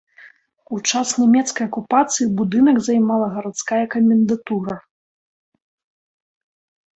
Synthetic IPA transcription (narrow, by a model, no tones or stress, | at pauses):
ut͡ʂasnʲamʲɛt̪skɐjɐkupat̪sɨjibud̪ɨnɐɡzajmalˠɐɣɐɾat̪skajɐkɐmʲɛnd̪at̪uɾɐ